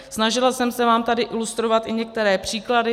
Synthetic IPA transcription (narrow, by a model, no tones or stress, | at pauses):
snaʒɪlasɛmsɛvaːmt̪adɪʔɪlust̪ɾo̞vat̪ɪɲɛk̚t̪ɛɾɛːpr̝̥iːkladɪ